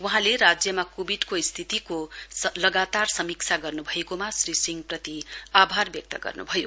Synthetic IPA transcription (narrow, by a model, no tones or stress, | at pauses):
wuɦãleɾad͡zjʌmakubiɖkoist̪ʰit̪ikolʌɡat̪arsʌmik̚t͡sʰaɡʌrnubʱʌekomasrisiŋɡprʌt̪iabʱarbjʌk̚t̪ʌɡʌ̰rnṵbʱʌjo